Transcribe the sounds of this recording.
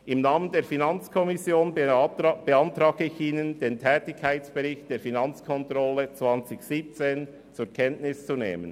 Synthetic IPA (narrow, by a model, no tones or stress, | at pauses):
ʔɪmnaːməndeːɾfinant͡skʰɔmɪsjoːnb̥əantɾaːɡ̥əɪçiːnənd̥eːntʰɛːtɪçkʰːaɪt͡sb̥əʁɪçt̚d̥eːfinant͡skʰɔntʁɔlət͡sv̥ant͡sɪçsiːp̚t͡seːn | t͡suːɾkʰɛntnɪst͡sunḛːmən